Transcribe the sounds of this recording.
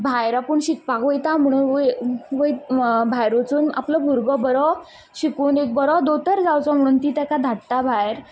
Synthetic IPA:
bʱajɾapuːɳɕik̚pakʋəjt̪am̤əɽ̃uːnʋəj̪bʱajɾot͡suːna̰pləbʱuɾɡɔbəɾɔ | ɕikuːnek̚bəɾɔd̪ot̪əɾd͡zawt͡sɔm̤əɽ̃uːnt̪iːt̪jakad̪ʱaʈt̪abʱajɾ

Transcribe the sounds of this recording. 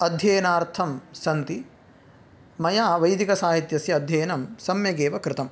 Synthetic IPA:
ɐd̪ʱjeːnaːɾt̪ʰɐmsɐnt̪i | mɐjaːʋɐjd̪ikɐsaːɦit̪jɐsjɐɐd̪ʱjeːnɐmsɐmjɐɡeːʋɐkɾɪt̪ɐm

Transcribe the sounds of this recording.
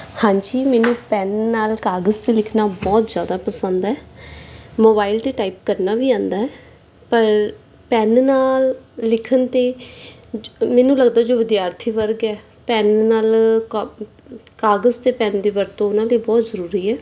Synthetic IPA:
hãːɲd͡ʒiːmɛːnũːpɛːnːaːlkaːɡəzt̪eːlɪkʰnaːbɔːt̪zjaːd̪aːpəsənd̪ɛː | moːbaːilt̪eːʈaːipkəɾnaːʋiːãːnd̪aːɦɛː | pəɾ | pɛːnnaːlːɪkʰənt̪eː | mɛːnũːləɡd̪aːd͡ʒoːʋɪd̪jaːɾt̪ʰiːʋəɾɡɛː | pɛːnnaːlk | kaːɡəzt̪eːpɛ̃ːnd̪eːʋəɾt̪õːʊnãːleːbɔːt̪zəɾuːɾiːɛː

